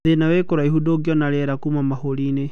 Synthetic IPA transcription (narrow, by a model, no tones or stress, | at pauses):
enawekoɾaiɦudoɡjɔnaɾɛɾakumamahoɾine